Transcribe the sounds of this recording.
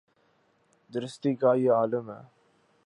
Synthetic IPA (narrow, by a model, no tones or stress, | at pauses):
d̪ɾɪst̪iɡaːjəaːləmə̰